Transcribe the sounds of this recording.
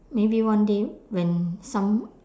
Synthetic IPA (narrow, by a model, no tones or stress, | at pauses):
mebiwãndewɛ̃nsãm